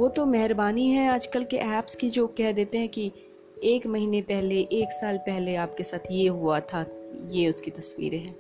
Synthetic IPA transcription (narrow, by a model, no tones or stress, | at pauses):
ʋoːt̪omɛɦɪɾbaːniɦɛ̃aːd͡ʒkəlkeʔɛːpskid͡ʒoːkɛɦd̪eːt̪eɦɛ̃ki | eːkmɐɦiːnepɛɦleʔeːksaːlpɛɦleaːp̚kesaːt̪ʰjeɦuat̪ʰajeʊskit̪ɐswḭːɾeɦɛ̃ː